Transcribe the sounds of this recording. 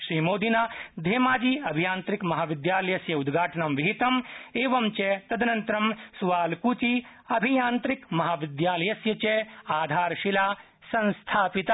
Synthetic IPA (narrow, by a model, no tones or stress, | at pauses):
ʃɾiːmoːd̪inaːd̪ʱeːmaːd͡ʒiɐbʱijaːnt̪ɾikmɐɦaːʋid̪jaːlɐjɐsjɐud̪ɡʱaːʈɐɳɐmʋiɦit̪ɐmeːʋɐmt͡ʃet̪ɐd̪nɐnt̪ɾɐmsuʋaːlkuːt͡ʃiɐbʱijaːnt̪ɾikmɐɦaːʋid̪jaːlɐjɐsjɐt͡ʃeaːd̪ʱaːɾʃilaː | sɐ̃nst̪ʰaːpit̪ɐ